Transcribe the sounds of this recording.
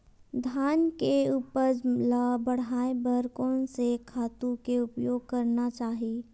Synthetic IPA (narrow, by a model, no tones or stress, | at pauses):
d̪ʱaːnkeupəɾlabəɽ̤aːebəɾkõsekʰaːt̪ũkeʊpjoːɡ̚kɐɾnat͡ʃaːɦiiː